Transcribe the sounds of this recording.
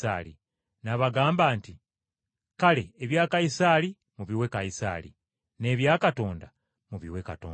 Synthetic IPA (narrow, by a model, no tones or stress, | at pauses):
a̰lḭ | naβaɡaːmbaːnti | kale̞ːβjaːkajisaːli | muβiwe̞kajisa̰ːlḭ | ne̞ːβjaːkato̞ːnda | muβḭwekatoː